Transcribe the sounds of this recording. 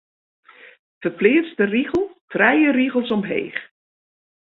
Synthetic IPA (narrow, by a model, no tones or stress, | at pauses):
fərplɪːstəriɣəl̩ˠfrɛjəriɣəlˠsɔmɦḛːχ